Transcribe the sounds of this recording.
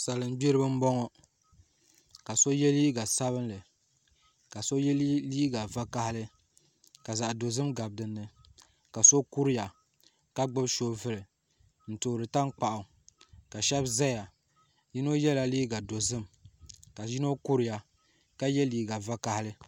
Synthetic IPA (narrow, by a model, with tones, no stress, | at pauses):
sa˨lɨ˨n˦be˦ɾɨ˦bɨ˦m̩˦bɔ˦ŋɔ˦ | ka˨so˦jɛ˦liː˦ɡa˨sa˦βɨ˦nlɨ˨ | ka˨so˦jɛ˦lliː˦ɡa˨va˦ka˦hɪ˦lɨ˦ | ka˨za˨ʔdo˨zɨ˦mɡa˨b̚dɨ˨nːɨ˦ | ka˨so˦ku˦ɾi˦ja˨ | ka˦ɡ͡bɨ˦bʃo˦vɨ˦lɨ˨ | n̩˨to˨ɾɨ˨ta˦ŋk͡pa˨ʔʊ˨ | ka˨ʃɛ˦bza˦ja˨ | ji˦no˦jɛ˦la˦li˦ɡa˨do˨zɨ˦mka˨ji˦no˦ku˦ɾɪ˦ja˨ | ka˦jɛ˦liː˦ɡa˨va˦ka˦hɪ˦lɨ˦